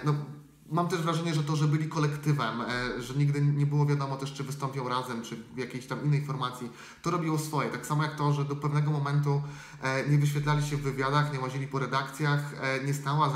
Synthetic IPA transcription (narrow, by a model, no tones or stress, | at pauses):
nɔ | mamt̪ɛʐvɾaʐɛɲɛʐɛt̪ɔʐɛbɘlʲikɔlɛkt̪ɘvɛmʐɛɲiɡd̪ɘɲɛbɘwɔvʲjad̪ɔmɔt̪ɛʂt͡ʂɘvɘst̪ɔmpʲjɔ̃w̃ɾazɛmt͡ʂɘvjakʲejɕt̪amʔinːɛjfɔɾmat̪sʲji | t̪ɔɾɔbʲiwɔsfɔjɛt̪aksamɔjakt̪ɔʐɛd̪ɔpɛvnɛɡɔmɔmɛnt̪̬u | ɲɛvɘɕfʲɛt̪lalʲiɕɛvːɘvʲjad̪axɲɛwaʑilʲipɔɾɛd̪akt̪sʲjaxɲɛst̪awa